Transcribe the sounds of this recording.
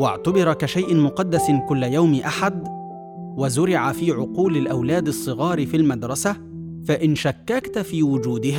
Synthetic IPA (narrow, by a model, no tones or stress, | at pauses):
waʕt̪abɪɾˤɑkaʃajʔɪnmʊqɑd̪ːaskʊlːajawmʔaħad̪ | wazʊɾɪʕafiːʕʊquːlɪlʔawlæːd̪ɨsˤːɨɣɑːɾfilmad̪ɾˤɑsa | faʔɪnʃakːakt̪fiːwʊd͡ʒuːd̪ɪɦː